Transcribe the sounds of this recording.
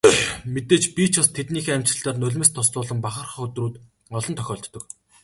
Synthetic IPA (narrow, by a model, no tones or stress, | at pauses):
met̪eːt͡ɕpit͡ɕʰast̪ʰet̪niːxeːæmt͡ɕɪ̆ɬt̪aːrnɵɮʲmɘ̆st̪ʰɔst͡sʊːɮə̆mpaχə̆rχ̆χɵt̪ruːt̪ | ɔɮɞ̆nt̪ʰœxʲɔːɬt̪ːɞ̆k